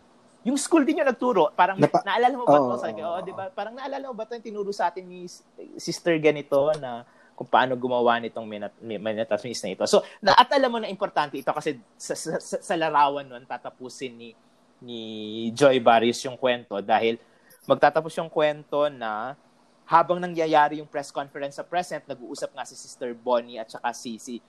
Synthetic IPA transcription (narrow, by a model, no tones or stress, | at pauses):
jʊŋskuld̪ɪɲjonɐɡ̚t̪uːɾo̞ʔpaːɾɐŋnɐʔɐlaːlɐmoɐt̪osɐɐoːʔod̪ɪbapaːɾɐŋnɐʔɐlaːlɐmobɐt̪ojʊŋt̪ɪnuːɾuːsɐʔaːt̪ɪnːi | sist̪ɛɹɡɐnɪt̪o̞nɐ | kʊŋpɐʔa̰ːno̞ɡʊmɐwanɪt̪o̞ŋmɛnɐmɐnɐt̪ɐsmisnɐʔɪt̪o̞so̞nɐʔɐt̪ʔɐlamːo̞nɐʔɪmpoɾt̪ant̪ɛʔɪt̪o̞kɐsɛ | sɐssɐsɐlɐɾaːwɐnːont̪aːt̪ɐpuːsɪnːi | nid͡ʒojbaɾjʊsjʊŋkwɛnt̪o̞d̪aːhɪl | mɐɡ̚t̪aːt̪ɐposjʊŋkwɛnt̪o̞nɐ | haːbɐŋnɐŋjɐjaːɾɪjʊŋpɾɛskonfɛɾɛnsɐpɹɛsɛnt̪̚nɐɡ̚uːʔuːsɐp̚ŋasisist̪ɛɹboniɐt̪̚t͡ʃɐkasisi